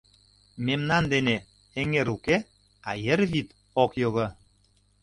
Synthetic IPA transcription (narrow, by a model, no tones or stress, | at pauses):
memnɑnd̪ene | eŋeɾuke | ɑjə̆rβit̪ | okjoɣɤ